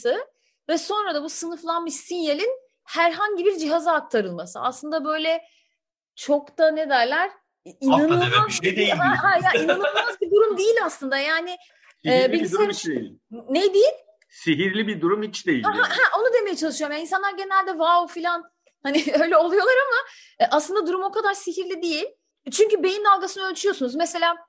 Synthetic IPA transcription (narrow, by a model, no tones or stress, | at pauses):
sɯ | vɛso̞nɾad̪abusɯnɯflˠanmɯʃsinjelʲin | hæɾɦaɲɟibiɾd͡ʒiɦazaːk̚t̪ʰaɾɯlˠmasɯ̰a̰slˠɯnd̪abø̞jlʲɛ | t͡ʃʰo̞kt̪aned̪æɾlʲæɾ̥ | inanlazɦaɦajainanɯlˠmazbid̪uɾumd̪ejilʲaslˠɯnd̪ajaːnɪ | ɛːbimd̪elʲnejd̪ejilʲ | seɦiɾlʲibid̪uɾumhit͡ʃd̪ejḭhɦahæʔo̞nud̪eme̞jɛt͡ʃʰalˠɯʃɯjomjains̬anlˠaɾɟe̞nælʲd̪ɛvaofilʲan | hanɪø̞jlʲɛo̞lˠujo̞lˠaɾama | ʔaslˠɯnd̪ad̪uɾumo̞kʰad̪aɾsiɦiɾlʲid̪ejilʲ | t͡ʃʰyɲcybe̞jind̪alˠɡasɯnɯølʲt͡ʃ̪yjo̞sunuzmese̞lʲaː